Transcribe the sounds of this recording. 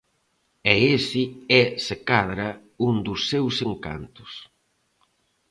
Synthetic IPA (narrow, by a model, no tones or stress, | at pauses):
ɛesɪɛsekaðɾɐ | und̪ʊsːewseŋka̰nt̪ʊ̥s